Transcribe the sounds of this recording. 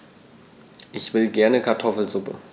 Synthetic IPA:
ʔɪçv̥ɪlɡɛɐnəkʰaɐtʰɔfl̩zʊpə̰

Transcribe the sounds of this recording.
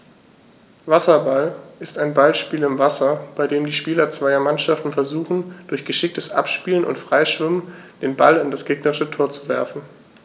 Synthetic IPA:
vasɐbalʔɪstaɪnbalʃpiːlɪmvasɐb̥aɪdeːmdiːʃpiːlɐt͡sv̥aɪɐmanʃaftn̩fɛɐzuːχn̩d̥ʊɐçɡ̥əʃɪk̚təsʔa̰pʃpiːlənʊ̰ntfʁ̥aɪʃv̥ɪmənd̥eːnbalɪndasɡ̥eːɡnəʁɪʃətʰoːɐt͡suvɛ̰ɐfn̩

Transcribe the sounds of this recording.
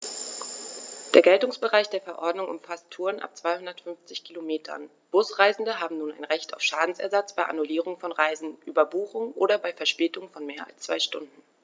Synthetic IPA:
d̥eːɐɡɛltʊŋsb̥əʁaɪçd̥eːɐfɛɐʔɔɐdnʊŋʔʊ̰mfastʰːuːɐnʔa̰p̚t͡sv̥aɪhʊndɐtfʏnft͡sɪçkʰilomeːtʰɐ̰n | b̥ʊsʁ̥aɪzn̩dəɦaːbm̩nuːna̰ɪnʁɛçta̰ʊfʃaːdn̩sɛ̰ɐzat͡sb̥aɪʔa̰nuliːʁʊŋfɔnʁaɪzn̩ʔyːbɐbuːχʊŋʔoːɾɐbaɪfɛɐʃpeːtʊŋfɔnmeːɐa̰lst͡sv̥aɪʃtʊndn̩

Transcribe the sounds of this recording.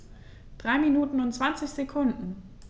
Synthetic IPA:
d̥ʁaɪminuːtn̩ʊntt͡sv̥ant͡sɪçz̥ekʰʊndn̩

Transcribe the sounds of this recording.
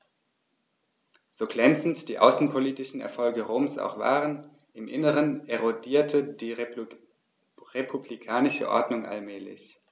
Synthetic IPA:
z̥oːɡlɛnt͡sn̩td̥iːʔa̰ʊsn̩pʰoliːtɪʃn̩ɛ̰ɐfɔlɡəʁoːmsʔa̰ʊxv̥a̰ːʁən | ʔɪmʔɪnəʁəneʁodiːɐtʰədiː | ʁepʰublikʰaːnɪʃə̰ʔɔ̰ɐdnʊŋʔa̰lmɛːlɪ̰ç

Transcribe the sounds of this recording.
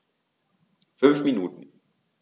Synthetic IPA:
fʏnfminuːtn̩

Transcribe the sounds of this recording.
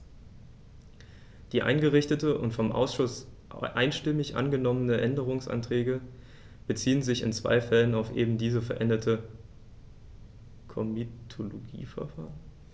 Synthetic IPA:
d̥iːʔa̰ɪnɡəʁɪçtətəʔʊ̰ntfɔmʔa̰ʊsʃʊs | ʔaɪnʃtɪmɪçʔa̰nɡənɔmənəʔɛndəʁ̞ʊŋsʔa̰ntʁ̥ɛːɡə | b̥ət͡siːənzɪçɪ̰nt͡sv̥a̰ɪfɛlənaʊfʔḛːbm̩diːzəfɛɐʔɛndɐtʰə | kʰɔmitʰoloɡḭːfɛɐfa̰ːʁən

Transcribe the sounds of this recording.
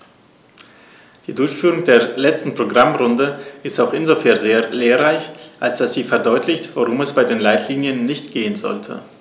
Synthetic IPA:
d̥iːdʊɐçfyːʁ̞ʊŋd̥eːɐlɛt͡stn̩pʁ̥oɡʁamʁʊndəʔɪstaʊxʔɪnzofɛɐnzeːɐleːʁaɪçʔalsd̥asz̥iːfɛɐdɔʏtʰlɪçtv̥oʁʊmɛsb̥aɪdeːnlaɪtʰliːnjənːɪçtɡ̥eːənzɔ̰ltʰə̰

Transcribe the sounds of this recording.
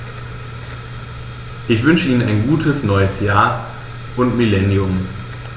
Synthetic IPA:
ʔɪçv̥ʏnʃəʔiːnənaɪnɡuːtʰəsnɔʏəsjaːɐ | ʔʊntmilɛnjʊm

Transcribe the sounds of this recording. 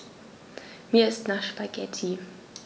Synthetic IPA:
miːɐɪstnaʃpaɡ̥ɛtʰi

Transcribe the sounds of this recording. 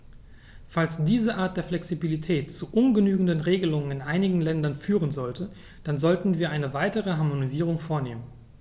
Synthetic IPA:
falsd̥iːzəʔaːɐt̚d̥eːɐflɛksibilitʰɛːtt͡suʔʊnɡənyːɡŋ̩dənʁeːɡəlʊŋənɪnʔaɪnɪɡŋ̩lɛndɐnfyːʁ̞ənzɔltʰə | d̥anzɔltn̩viːɐʔaɪnəvaɪtəʁəɦaɐmoniziːʁ̞ʊŋfoːɐneːmən

